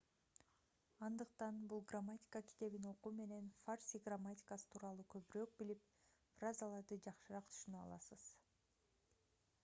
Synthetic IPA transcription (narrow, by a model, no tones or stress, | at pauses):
ɑnd̪ɯq̚t̪ɑnbulˠɡramːatʲi̥kakʲi̥t̪e̞βino̞quːme̞ne̞nfarsʲiɡramatʲi̥kasɯ̥t̪ʰuːɾɑlˠuːkʰø̞βyɾøːk̚bilip̚ | frazalˠɑɾd̪ɯd͡ʒɑqʃɯɾɑqt̪ʰy̥ʃynøɑ̰lˠɑ̰sɯz̥